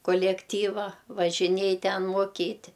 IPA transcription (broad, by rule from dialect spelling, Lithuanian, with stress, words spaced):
koːlʲɛkˈtʲiːʋɐ ʋɐʒʲɪˈnʲiɛj ˈtʲɛn moːˈkʲiːtʲɪ